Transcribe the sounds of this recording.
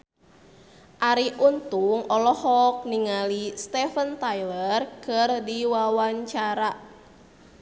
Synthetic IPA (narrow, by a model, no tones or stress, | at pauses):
ʔaɾiʔunt̪uŋɔlɔhɔk̚niŋalist̪ɛfənt̪ajlərkɨrdiwawaɲt͡ʃaɾa